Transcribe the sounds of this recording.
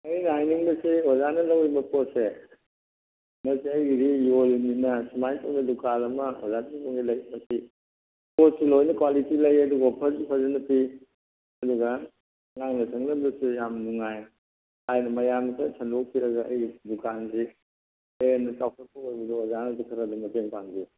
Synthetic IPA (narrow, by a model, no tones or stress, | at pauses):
ɐjnajniŋbɐsiwɔzanɐlɐwɾibɐpose | mɐsiɐjɡiɾijolninɐsimajtʰaŋdɐlukalɐmɐwa̰zatʰikoŋɡilɐjmɐsi | posilojnɐkwalitilɐjɐduɡɐpʰɐzpʰɐzɐnɐpi | ɐduɡɐ | ŋaŋnɐsʰɐŋnɐblusijamnuŋaj | ajnɐmɐjamkʰɐsʰɐndok̚kʰiɾɐɡɐɐ̰jɡidukanzi | enɐsawkʰɐpʰoɐbuduɔzanɐdukʰɐɾɐdumɐteŋpaŋbi